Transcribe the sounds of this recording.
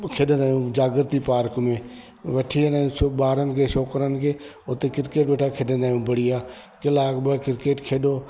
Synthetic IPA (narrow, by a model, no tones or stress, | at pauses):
kʰeːɗənaːjũd͡ʒaːɡɪɾt̪ipaːɾkmẽ | ʋɐʈʰiənaːũsbaːɾənɪ̆kʰeːʃoːkəɾənɪ̆kʰeː | ʊt̪ekɪɾkeːʈʋeːʈʰakʰeːɗənaːjũbɐɽiaː | kɪlaːkbəkɪɾkeːʈkʰeːɗoː